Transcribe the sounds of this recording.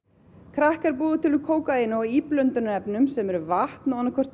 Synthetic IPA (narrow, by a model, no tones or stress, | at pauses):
kʰɾahkaɾpuːðʏt̪ʰɪlʏkʰoːwkajɪnɔɣiːplœnt̪ʏnaɛpnʏmsɛmɛɾʏvaht̪nawanːakʰvœr̥t̪